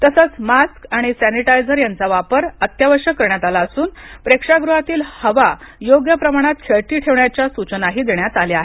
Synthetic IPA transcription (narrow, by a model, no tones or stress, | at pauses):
t̪əsət͡smaskaɽ̃isæniʈajd͡zəɾjant͡saʋapəɾət̪jaʋəɾʂjəkːəɾɳjat̪alaəsuːnpɾekʂaɡɾuɦat̪iːlhəʋajoɡjəpɾəmaɽ̃at̪̚kʰeɭʈ̪iːʈʰeʋɳjat͡ɕjasut͡ɕənaɦiːd̪eɳjat͡saleaɦe